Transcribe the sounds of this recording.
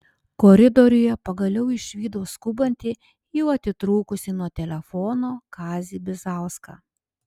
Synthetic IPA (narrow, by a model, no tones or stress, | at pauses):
koːɾʲɪd̪ɔɾʲʊjɛpɐɡɐlʲɛʊɪʃʲʋʲiːd̪oːskʊbɐnʲt̪ʲɪ | jɛʊɐt̪ʲɪt̪ɾuːkʊsʲɪnuɔt̪ʲɛlʲɛfɔːnoːkɑːzʲiːbʲɪzɑˑʊskɑ̰ː